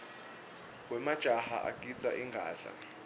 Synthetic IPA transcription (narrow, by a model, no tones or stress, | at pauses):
wɛmad̥ʒ̥ʼʱaha̰ʔa̰kʼit͡sʼaʔiŋɡʱaːɮa̰